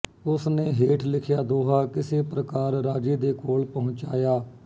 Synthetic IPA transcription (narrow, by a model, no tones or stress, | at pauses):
ʊsneːɦeːʈʰlɪkʰjaːd̪oːɦaːkɪseːpɾəkaːɾɾaːd͡ʒiːd̪eːkoːlpəɦʊ̃t͡ʃaːjaː